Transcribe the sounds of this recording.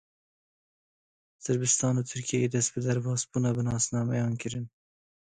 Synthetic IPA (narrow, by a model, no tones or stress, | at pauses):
sɨɾbɨst̪ɑːnuːt̪ʰɨɾkʰijɛjeːd̪ɛst̪̚bɨd̪æɾbɑːsbuːnɑːbɨnɑːsnɑːmɛjɑːnkɨɾɨn